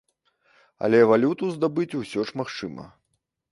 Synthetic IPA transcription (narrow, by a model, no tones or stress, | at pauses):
ɐ̰lʲɛvalʲut̪uzd̪abɨt͡sʲusʲɔʂmaxt͡ʂɨmɐ̰